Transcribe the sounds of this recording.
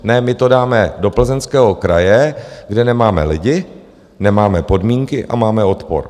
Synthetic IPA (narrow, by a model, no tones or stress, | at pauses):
nɛmɪt̪o̞daːmɛdo̞pl̩zɛnskɛːɦo̞kɾajɛɡdɛnɛmaːmɛ̰lɪɟɪ | nɛmaːmɛpo̞dmiːŋkɪʔa̰maːmɛo̞t̪po̰ɾ